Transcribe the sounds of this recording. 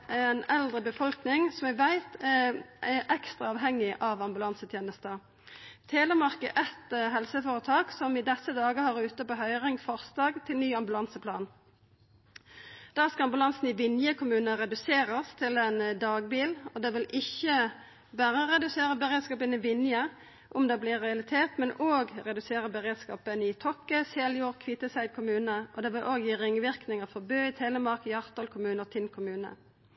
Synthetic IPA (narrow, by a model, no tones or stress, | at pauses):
ʔɛnɛld̪ʁəbəfɔlknɪŋsɔmɛʋæɪt̪ʰɛɛʔɛkst̪ʁɑɑːʋɦɛŋːɪʔɑʋɑmbʉlɑnsət̪ʰjeːnəst̪ə | t̪ʰeːləmɑʁkəʔɛt̪ɦɛlsəfoːʁət̪ʰɑːksɔmɪd̪ɛsəd̪ɑːɡəhɑʁʉːt̪əpoːɦœʏʁɪŋfɔʁst̪ɑːɡt̪ʰɪlnyːɑmbʉlɑnsəpʰlɑ̰ːn | d̪̥æːʁskɑɑmbʉlɑnsn̩ɪʋɪnjəkʰʊmʉːnəʁɛd̪ʉseːʁəst̪ʰɪlɛnd̪ɑːɡbiːlɔd̪ɛːʋɪlʔɪçə | bæːʁəʁɛd̪ʉseːʁəbəʁeːd̪skɑːpənɪʋɪnjə | ʔʊmd̪ɛːblɪʁɛɑlɪt̪ʰeːt̪mɛnoːɡʁɛd̪ʉseːʁəbəʁeːd̪skɑ̰ːpənɪt̪ʰɔkːəseːljuːʁkʰʋiːt̪əsæɪd̪kʰʊmʉːnəʔɔd̪ɛːʋɪlʔoːɡjiːʁɪŋːʋɪʁknɪŋəfɔʁbøːɪt̪ʰeːləmɑʁkəjɑʁt̪ɑːlkʰʊmʉːnəʁt̪ʰɪnkʰʊmʉːnə̰